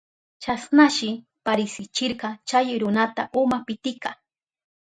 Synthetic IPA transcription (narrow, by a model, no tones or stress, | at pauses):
t͡ʃasnaʃɪ | paɾɪsɪt͡ʃɪɾɢɑt͡ʃajɾʊnat̪aʔʊmapɪt̪ɪkɑ